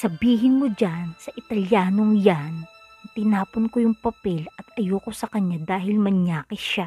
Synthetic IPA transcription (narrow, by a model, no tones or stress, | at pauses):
sɐbiːɦɪnmod͡ʒansɐʔɪt̪ɐljaːnoŋjan | t̪ɪnaːponkojʊŋpɐpɛlɐt̪ʔɐjoːkosɐkɐɲːad̪aːɦɪlmɐɲaːkɪʃa